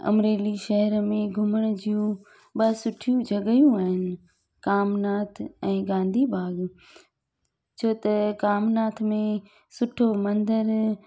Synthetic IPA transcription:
ɐ̰mɾeːliʃɐɦəɾəmẽɡʱʊməɽ̃d͡ʒijũ | ɓɐsʊʈʰijũd͡ʒʱɐɡjũaːɦɪnɪ̆ | kaːmnaːt̪ʰɛ̃ːɡãːnd̪ʱibʱaːɡ | t͡ʃʰoːt̪ɐkaːmnaːt̪ʰmẽ | sʊʈʰomɐ̃nd̪əɾ

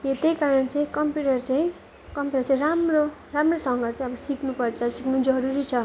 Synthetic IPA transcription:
jet̪ejkaɾʌnt͡saĩkʌmpjuʈʌrt͡saĩ | kʌmpjuʈʌrt͡saĩramroramrosʌŋɡʌt͡saĩʌbʌsiknupʌrt͡sʰʌsiknud͡zʌɾuɾit͡sʰʌ

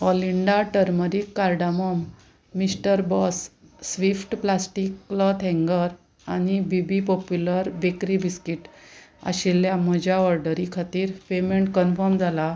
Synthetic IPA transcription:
ɔliɳɖaʈəɾməɾikːaɾɖaməmː | isʈəɾbɔsː | ʋifʰʈplasʈikːlɔt̪ɛ̃ŋɡəɾ | añibibipɔpjuləɾbekɾibiskiʈa̰ɕilːjam̤əd͡ʑʱjaɔɾɖəɾikʰat̪iːɾpemeɳʈkənfɔɾmd͡zʱala

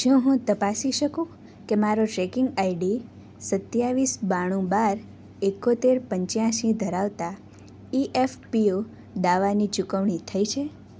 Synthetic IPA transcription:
d͡ʒũɦũt̪əpasiʃəkũ | kemaɾoʈɾɛkɪŋɡaiɖi | sət̪jaʋisbaɽ̃ũbaɾ | ekot̪eɾpəɲt͡ʃjãʃĩd̪ʱəɾaʋt̪a | iʔefpio | d̪aʋanit͡ʃʊkəʋɳ̃it̪ʰəjt͡ʃʰe

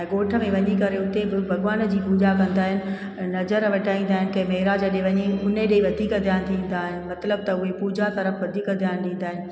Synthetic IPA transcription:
ɛ̃ːɠoːʈʰə̆mẽʋɐɲikɐɾeʊt̪ebɪbʱɐɣʋaːnd͡ʑiːpuːd͡ʑakɐ̃nd̪aːɦɪnɪ̆ | nɐzəɾʋɐʈʰaːĩːn̆d̪aːɦɪnɪ̆kɐ̃ɦɪ̃meɦɪɾad͡ʑɐɗɦẽʋɐɲiʊn̤eɗẽʋɐd̪ʱikɐd̪ʱijaːnt̪ʰĩːn̆d̪aːɦɪnɪ̆mɐt̪ləb̚t̪ɐʊɦepuːd͡ʑat̪ɐɾəfʋɐd̪ʱikəd̪ʱijaːnɗĩːn̆d̪aːɦɪnɪ̆

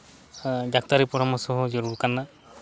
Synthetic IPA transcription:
d͡ʒak̚t̪aɾipɔɾɔmɔsɔɦɔd͡ʒɔɾuɾkanːa

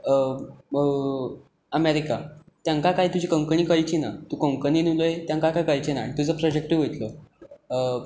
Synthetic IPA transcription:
ə | əmeɾika | t̪jãŋkakait̪ud͡ʑiːkəŋkəɳiːkəjt͡ɕiːnat̪uːkə̃ŋkəninulojet̪jãŋkakaikəjt͡ɕenaːɽ̃it̪ud͡zəpɾɔd͡ʑek̚ʈiʋojt̪lə

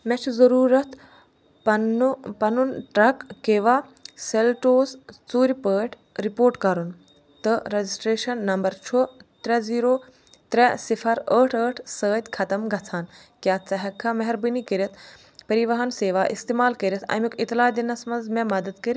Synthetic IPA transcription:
mɛt͡ʃʰzɐɾuːɾɐt̪ʰ | pɐpɐnunʈɾɐkːeːʋaːselʈoːst͡suːɾʲpəːʈʰ | ɾipoːɾʈkɐɾun | t̪ɨɾɐd͡ʒisʈɾeːʃɐnːɐmbɐɾt͡ʃʰot̪ɾɛziːɾoː | t̪ɾɛsifʰɐɾəːʈʰəːʈʰsəːt̪ʲkʰɐt̪ɐmɡɐt͡sʰaːnkjaːt̪̚t͡sɐɦɐkʰːamɐɦɛɾbɨnikəɾʲit̪ʰ | pɐɾiʋɐɦɐnseːʋaːʔist̪eːmaːlkəɾit̪ʰɐ̰mʲukit̪laːd̪inɐsmɐnzmɛmɐd̪ɐd̪kəɾʲ

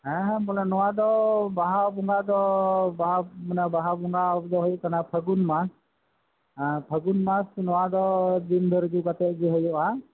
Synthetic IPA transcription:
ɛ̃ɦɛ̃mɔlanɔwad̪ɔbaɦabuŋɡad̪ɔbaɦmənabaɦabuŋɡad̪ɔɦɔjuʔkanapʰəɡunmas | pʰəɡunmasnɔwad̪ɔd̪ind̪ʱəɾd͡ʒuɡat̪ɛʔ̚ˀd͡ʒɛɦɔjɔʔa

